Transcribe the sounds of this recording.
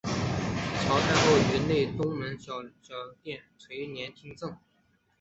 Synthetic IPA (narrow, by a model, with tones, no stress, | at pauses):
t͡ɕʰjɑ˧˥ʊt̪ʰa˥nxo˥˩ʊɥɛ˧˥nle˥˩ɪt̪ʊ˥ŋmə˧˥nɕjɑ˨˩ʊɕjɑ˨˩ʊt̪jɛ˥˩nt͡sʰwe˧˥ɪnjɛ˧˥nt̪ʰi˥ŋt͡sɤ˥˩ŋ